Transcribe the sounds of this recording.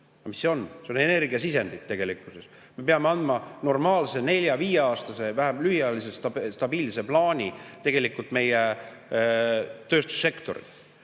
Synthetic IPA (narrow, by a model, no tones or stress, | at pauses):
ɑmisːeo̞nseo̞ne̞ne̞rɡiɑsise̞nd̪it̪t̪ːe̞ɡ̥e̞likːˑuse̞s | me̞peɑmeɑnd̪mɑno̞rmɑːlse̞ne̞lʲjɑviːjeɑːst̪ɑse̞væɦæmlyhjɑlisest̪ɑst̪ɑb̥iːlse̞plɑːnʲit̪e̞ɡ̥e̞likːult̪me̞je | t̪ø̞ːst̪u̥sːe̞kt̪o̞̰ɾḭ̥